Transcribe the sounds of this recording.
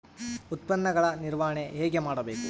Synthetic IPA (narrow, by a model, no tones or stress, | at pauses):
ut̪̚pɐnːɐɡɐɭɐniɾʋaɦɐɳeɦɛːɡe̞maːɽɐbeːku